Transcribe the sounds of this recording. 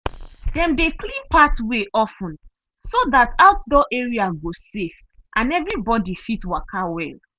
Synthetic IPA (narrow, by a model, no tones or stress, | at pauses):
dɛ̃mdeklĩnpatweʔɔfũn | soðataʊtdɔʔeɹiaɡosef | ʔãnɛvɹibɔdifitwakʰawɛl